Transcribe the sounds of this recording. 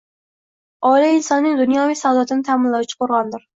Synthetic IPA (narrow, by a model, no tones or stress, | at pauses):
ɑliinsɑnːɨŋd̪unjɑvɪsɑwd̪ɑt̪ʰɨnɪt̪ʰæmɪnlˠɛwt͡ʃʰi̥qʰoɾʁɑnd̪ɨɾ